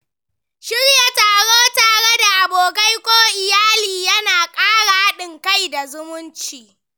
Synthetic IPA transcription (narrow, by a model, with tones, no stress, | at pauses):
ʃɪ˦ɽja˨taː˨ɽoː˦taː˨ɽe˦da˨ʔa˨boː˨ka˦jkʷoː˦ʔɪ˨jaː˦liː˨jɐ˦naː˨kʼaː˦ɽa˨ha˦ɗɪ˨ŋka˦jda˨zʊ˦mʊ˦nt͡ʃiː˨